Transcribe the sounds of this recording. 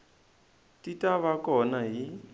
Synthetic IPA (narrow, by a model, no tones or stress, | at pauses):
tʼitʼaβakʼɔnaɦi